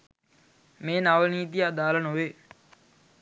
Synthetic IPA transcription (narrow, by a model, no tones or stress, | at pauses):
meːnaʋəniːt̪ijad̪aːlənoʋe